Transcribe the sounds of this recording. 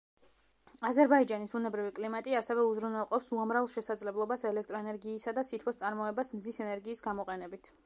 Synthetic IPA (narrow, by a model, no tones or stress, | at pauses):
azɛɾbaid͡ʒanisbunɛbɾivikʼlimat̪ʼiasɛvɛuzɾunɛlˠqʼɔpsuamɾavlˠʃɛsad̪zlɛblˠɔbasɛlɛkʰt̪ʼɾɔɛnɛɾɡiːsad̪asit̪ʰkʰɔst̪ʼaɾmɔɛbasmzisɛnɛɾɡiːsɡamɔqʼɛnɛbit̪ʰ